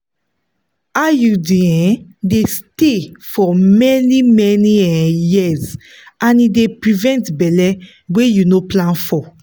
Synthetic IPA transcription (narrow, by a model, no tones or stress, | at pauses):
ajudeɛ̃destefɔmɛnimɛniɛjiz | ãnidepɹivɛ̃ntbɛlɛ | wejunoplãnfɔ